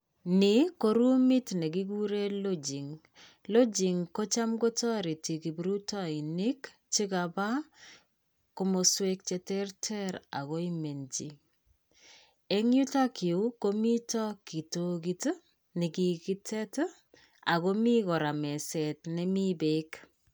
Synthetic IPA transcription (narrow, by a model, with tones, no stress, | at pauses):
nɪ˨ko˨ɾu˦mi˦tnɛ˨ɡi˦ɡu˦ɾe˦lo˦d͡ʒi˨ŋ | lo˦d͡ʒi˨ŋko˦t͡ʃa˦mɡo˦tɔ˦ɾi˨ti˨ki˨bɾu˦tɔ˦i˨ni˦k | t͡ʃi˦ka˨ba˦ | ko˦mo˨swe˦k̚t͡ʃɛ˨tɛrtʰɛ˦ɾa̰˨ɣo˦i˦me˨nd͡ʒḭ˨ | e˦ŋju˦ta˦kɪ˨u˦ko˦mi˦tɔ˦ki˨toɡi˦t | ni˨kiki˦tʰɛ˦t | a̰˨ko˦mi˦kɔ˨ɾa˨mɛ˨sɛ˨tnɛ˦mibek